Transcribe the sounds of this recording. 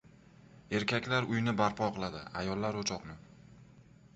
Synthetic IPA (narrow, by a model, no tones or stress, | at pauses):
e̞ɾkʲʰakʲlaɾʊjnɪbaɾpʰɒqʰɨlˠad̪ɪa̰jɒlːaɾot͡ʃʰɒqnɪ